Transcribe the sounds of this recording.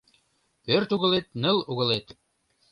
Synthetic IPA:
pørt̪uɣəlet̪nə̆luɣə̆let̪

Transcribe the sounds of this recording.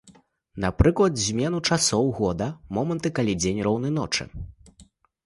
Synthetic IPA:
napɾɨklˠɐd̪zʲmʲɛnut͡ʂasɔwɣɔd̪ɐmɔmɐnt̪ɨkalʲid͡zʲenʲrɔwnɨnɔt͡ʂɨ̰

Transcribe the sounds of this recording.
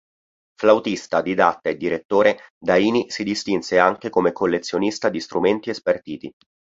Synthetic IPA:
flawt̪ist̪ad̪id̪at̪ːaed̪ːiɾet̪ːoːɾed̪aiːnisid̪ist̪inseaŋk̟ekomekolːet̪sːjonist̪ad̪ist̪ɾument̪iespert̪iːt̪i

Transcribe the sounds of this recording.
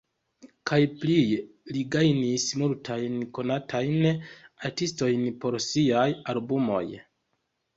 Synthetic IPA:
kʰajpli | liɡajnismultʰajnko̞natʰajnaɾtisto̞jnpo̞ɾsiajalbumo̞̰j

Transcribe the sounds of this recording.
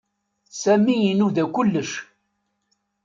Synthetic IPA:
sæmijinuðækʷʊlːəʃ

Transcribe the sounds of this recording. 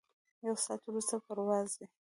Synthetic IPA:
jawsɑt̪wɾust̪apəɾwɑzwi

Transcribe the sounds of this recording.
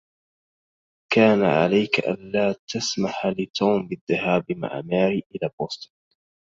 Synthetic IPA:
kaːna̰ʕa̰lajkaʔa̰nlaːt̪ʰasmaħlɪt̪ʰuːmbɪðːahaːbma̰ʕa̰maːɾiːʔɪlaːboːst̪ʊ̥n

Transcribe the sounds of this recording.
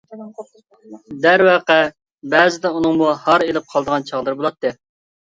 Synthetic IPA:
d̪æɾwæqɛ | bɛːzɪd̪ɛunɨŋmuhɑɾelɪp̚qʰɑlˠd̪əʁɑnt͡ʃʰɑʁlˠɨɾbolˠɑt̪ːɨ

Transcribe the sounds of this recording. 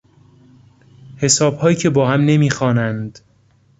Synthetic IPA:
he̞sɒːbhɒːjiːcʰe̞bɒːhæmne̞miːxɒːnænd̪̥

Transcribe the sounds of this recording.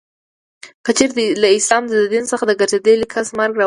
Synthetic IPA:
kət͡ʃeɾd̪laɪslɑmd̪əd̪ad̪insəxad̪əɡaɾd͡ʒad̪əlikʰasmaɾɡɾɑ

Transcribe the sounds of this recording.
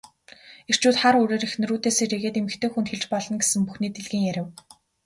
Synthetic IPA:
er̥t͡ɕuːt̪χaɾɵːɾeːɾixn̆ruːt̪eːseːreɣeːt̪emɘ̆xt̪ʰeːxunt̪xeɮt͡ɕpɔɮɞ̆nɡesɘ̆ŋpuxniːt̪eɮɣĭŋjæɾʲɪ̆w

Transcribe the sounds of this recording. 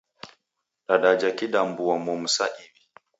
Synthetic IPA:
ɗaɗad͡ʒakiɗambuamɔm̩sa̰ʔiwi

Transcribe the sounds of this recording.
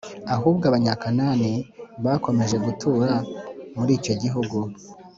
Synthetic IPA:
aɦuːbɡaβaɲakanaːniβako̞me̞ʒe̞ɡutʰuːɾamuɾiːco̞ɟiɦuɡu

